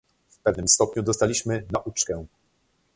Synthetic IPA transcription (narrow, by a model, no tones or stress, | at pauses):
fpɛvnɘmst̪ɔpɲud̪ɔst̪alʲiɕmɘnaʔut͡ʂkɛ̃